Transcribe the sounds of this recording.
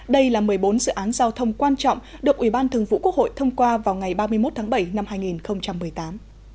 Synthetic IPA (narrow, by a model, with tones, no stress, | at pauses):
ɗə˧jlaː˨˩mɨ˨˩əjɓo˨˦nzɨ̰˧˨ʔaː˨˦nzaː˧wt̪ʰə˧wŋ͡mkwaː˧nt͡ɕɔ̰˧˨wŋ͡m | ɗɨ˨˩ək̚ʔi˧˩ɓaː˧nt̪ʰɨ˨˩əŋvṵ˧˨ku˦˥ək̚ho̰˧˨jt̪ʰə˧wŋ͡mkwaː˧vaː˨˩wŋa˨˩jɓaː˧mɨ˧əjmo˦˥t̚t̪ʰaː˨˦ŋɓə˧˩jna˧mɦaː˧jŋi˨˩nxə˧wŋ͡mt͡ɕa˧mːɨ˨˩əjt̪aː˨˦m